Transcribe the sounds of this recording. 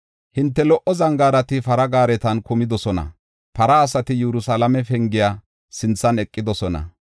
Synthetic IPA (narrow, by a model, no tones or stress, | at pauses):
hɪnt̪ːɛlɔʔɔzɐŋɡaːɾɐt̪ɪfɐɾɐɡaːɾɛt̪ɐnkʊmɪd̪ɔsɔnɐ̰ | pɐɾɐːsɐt̪ɪjɛɾʊsɐlɐmɛfɛŋɡɪjaː | sɪnt͡sːɐnɛkʼːɪd̪ɔsɔnɐ̰